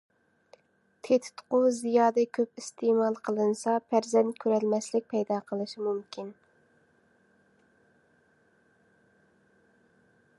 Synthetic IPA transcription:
t̪ʰet̪ʰu̥t̪qʊzijɑːd̪ɛkʲʰøpist̪emɑlˠqʰəlˠɨnɨsɑpʰæɾzɛnt̪̚kʲʰøɾɛlmɛslɪk̚ʲpʰɛjd̪ɑːqʰəlˠɨʃimumkʲin

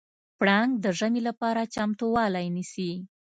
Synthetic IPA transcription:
pɽaŋɡ̚d̪əʒəmilapɑɾat͡ʃamt̪owɑlajnisi

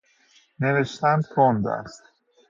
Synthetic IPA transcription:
neveʃt̪ænd̪k̪ʰond̪æ̰st̪

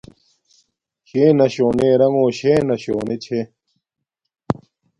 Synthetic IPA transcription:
ɕeːnɐɕoːneːɾɐŋoːɕeːnɐɕoːnet͡ɕʰe

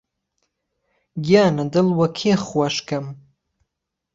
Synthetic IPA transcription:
ɡijaːnad̪ɨlwɐkʲʰeχwaʃkʰam

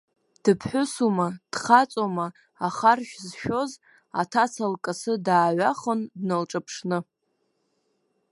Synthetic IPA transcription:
d̥ɨpʰħʷʊsumad̥χat͡sʼomaː | χarʃᶣzʃᶣoz | a̰tʰat͡sʰalkʼasɨdaːʕʷaχəndnalʈ͡ʂʼapʰʂnɨ

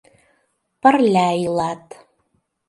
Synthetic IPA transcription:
parlʲaːjlaːtʰʼ

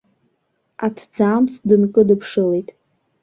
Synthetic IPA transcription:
atʰd͡zaːmsdɨnkʼɨdɨpʰʂɨlejtʼ

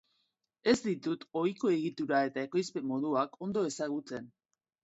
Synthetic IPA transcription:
e̞zd̪it̪ut̪o̞jko̞e̞ɣit̪uɾae̞t̪ae̞ko̞jspe̞mo̞ðuakʰo̞nd̪o̞e̞saɣ̞ut͡se̞n

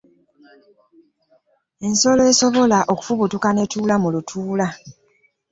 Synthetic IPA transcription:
e̞nso̞loesoβo̞laʔo̞ku̥fuβutukane̞tuːlamulutʰuːla

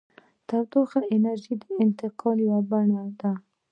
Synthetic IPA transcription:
t̪aɾd̪oxaʔɪnaɾʒid̪əɪnt̪ɪqʰɑljawabaɳad̪a

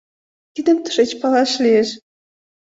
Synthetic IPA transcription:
t̪id̪ə̆mt̪ə̥̆ʃet͡ɕpɑlɑʃlʲijeʃ

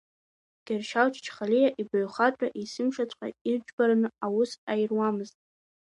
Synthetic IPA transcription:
ɡ̥ʲarʃawt͡ʃʰt͡ʃʰχalijaʔibaɥχatʼa̰ʔisɨmʃat͡sʷʰʼqʷa̰ird͡ʒbaɾanɨawʊsajrwamɨztʼ

